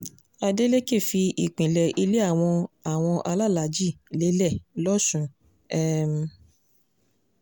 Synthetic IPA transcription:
a˧de˦le˦ke˦˨fi˧i˨k͡pĩ˨lɛ˨ʔi˧le˦a˦˨w̃ɔ̃˧a˨w̃ɔ̃˧ʔa˧la˦˨la˨˦d͡ʒi˦˨ | le˨˦lɛ˦˨lɔ˦sũ˨˧ | ɛ˦m̩˧

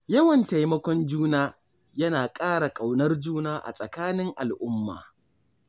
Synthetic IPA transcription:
jɐ˦wɐ˨nta˨jmɐ˦kʷɔ˦nd͡ʒuː˦naː˦ | jɐ˦naː˨kʼaː˦ɽa˨kʼa˨wnɐ˦rd͡ʒuː˦naː˦ʔa̰˨sʼɐ˨kaː˦nɪ˦ŋʔa˨lʔʊ˦mːa̰ː˨

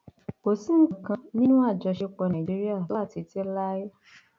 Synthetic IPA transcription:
ko˨sĩ˦˨kã˧nĩ˦nũ˦a˦˨d͡ʒɔ˧ʃe˧k͡pɔ˧nã˨d͡ʒi˦ɾi˦a˦˨lɔ˦a˦˨ti˨˧ti˦la˦jɔ˦

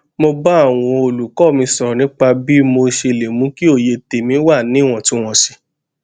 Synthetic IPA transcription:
mo˧ba˦a˦˨w̃ɔ̃˧o˧lu˨kɔ˦˨mĩ˧˦sɔ˨ɔ˨nĩ˨˦k͡pa˧bi˦mo˧ʃe˧le˨mũ˨˦ki˦o˦˨je˧te˨mĩ˨˦wa˦˨nĩ˨˦˨w̃ɔ̃˦˨tũ˦w̃ɔ̃˧si˧

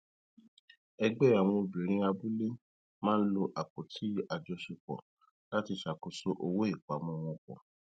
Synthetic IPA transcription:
ɛ˧ɡ͡bɛ˦a˨w̃ɔ̃˧o˧bi˨ɾ̃ĩ˧˦a˧bu˦le˦ | mãː˦lo˧ʔa˨k͡po˨tʰi˨˦a˨d͡ʒɔ˧ʃe˧k͡pɔ̰˨ | la˦ti˧ʃa˨ko˨so˦ʔo˧wo˦e˦˨k͡pa˨mɔ̃˧w̃ɔ̃˧k͡pɔ̰̃˨

